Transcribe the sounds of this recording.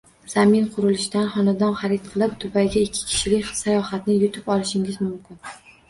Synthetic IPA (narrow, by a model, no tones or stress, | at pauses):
z̥amɪnqʰʊɾɪlɪʃt̪anχɒnad̪ɒnχɑɾɪt̪̚qʰɨlˠɪpt̪ʰʊpajɡʲaɪkʲʰːɪ̥kʲʰɪ̥ʃɪlɪkʲsajɒhat̪nɪjʊt̪ʰɪpɒlˠɪʃɪŋɪzmʊmkʲɪn